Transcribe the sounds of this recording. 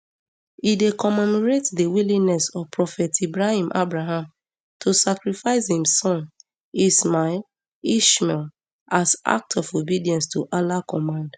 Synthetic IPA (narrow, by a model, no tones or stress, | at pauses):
idekɔmɛmɔɹetdəwilĩŋnɛsɔvpɹɔfɛtibɹahĩmʔabɹaɦãm | tʰosakɹifaɪshĩmsɔ̃n | ismaɛl | iʃmɛl | asa̰k̚tʰɔfobidiɛ̃nstʰoʔalakɔmãnd